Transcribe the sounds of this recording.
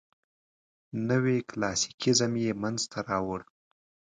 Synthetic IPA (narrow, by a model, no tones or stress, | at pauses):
nəweklɑsi̥kizamjemanzt̪ʰaɾɑwəɽ